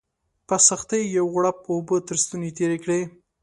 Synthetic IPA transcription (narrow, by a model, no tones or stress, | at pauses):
pasaxt̪əjjawɣɽapobət̪əɾst̪unet̪eɾekɽe